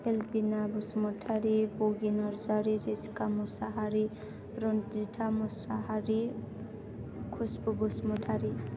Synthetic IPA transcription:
helpinabusmuʈʰaɾiboɡinɔɾzaɾid͡zeskamusaɦaɾi | ɾond͡ziʈʰamusaɦaɾi | kʰusbubusmuʈʰaɾi

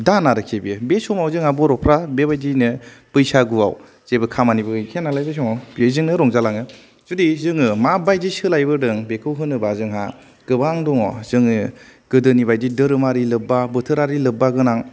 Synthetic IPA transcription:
danaɾɯkʰebiɯbesɔmawzɯŋabɔɾɔpʰɾabebajdinɯpɯjsaɡua̰w | z̥ebɯkʰamanibɯkʰenalajbɯs̬ɔŋawbezɯŋnɯɾɔŋzalaŋɯ | zudizɯŋɯmabajdisɯlajbɯdɯŋbekʰɯwɦɯnɯbazɯŋɦa | ɡ̥ɯbaŋdɔŋɔ̰zɯŋɯɡ̥ɯdɯnibajdidɯɾɯmaɾilɯbabɯtʰɯɾaɾilɯbːaɡɯnaŋ

